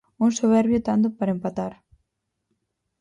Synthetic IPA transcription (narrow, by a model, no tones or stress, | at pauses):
uŋsoβ̞ɛɾβjot̪and̪ʊpaɾɐempat̪aɾ